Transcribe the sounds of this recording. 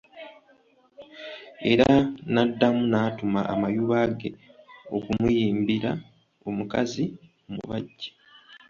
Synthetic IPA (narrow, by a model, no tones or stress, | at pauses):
e̞ɾanadːamunaːtumaʔa̰majuβaɡe̞o̞kumujiːmbiɾa | o̞mukazi | mṵβaɟːḁ